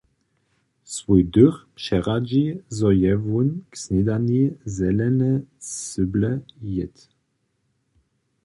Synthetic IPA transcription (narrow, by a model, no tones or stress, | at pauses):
svujd̪yʁpʂɛʁad͡ʑizɔjɛvunksnid̪anizɛlɛnɛʏblɛjɛt̪